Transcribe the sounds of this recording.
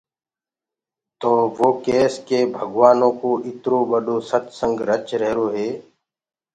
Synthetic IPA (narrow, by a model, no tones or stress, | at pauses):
t̪oːʋoːkeːskebʱəɡʋaːnõːkoːʔɪt̪ɾõːbəɖoːsət̪sə̃ŋɡɾət͡ʃɾɛɦɾoːɦeː